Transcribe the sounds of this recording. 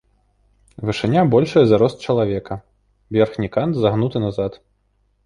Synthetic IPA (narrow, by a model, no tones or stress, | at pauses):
vɨʂɨnʲabɔlʲʂɐjɐzaɾɔst̪̚t͡ʂɐlˠavʲɛkɐ | vʲɛrxnʲikant̪zaɣnut̪ɨnazat̪